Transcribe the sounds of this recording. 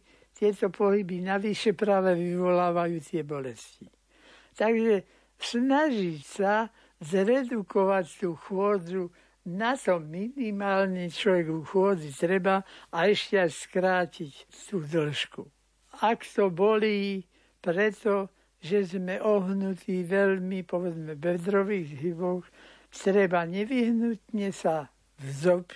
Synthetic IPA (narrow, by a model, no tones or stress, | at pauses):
t̪ɪɛt̪ɔpɔɦibinaʋiʃɛpɾaʋɛʋiʋɔlaːʋajuːt̪ɪɛbɔlɛsci | t̪aɡʒɛ | snaʒicsa | zɾɛd̪ukɔʋact̪uːxʊɔːd͡zu | nat̪ɔmminimaːlnit͡ʃlɔʋɛɡuxʊɔːd͡zit̪ɾɛbaːɛʃcɛajskɾaːcict̪uːd̪l̩ʃku | akt̪ɔbɔliː | pɾɛt̪ɔ | ʒɛzmɛʔɔɦnut̪iːʋɛlmipɔʋɛd͡zmɛbɛd̪ɾɔʋiːɣɦibɔx | t̪ɾɛbaɲɛʋiɦnut̪ɲɛsa | vzɔp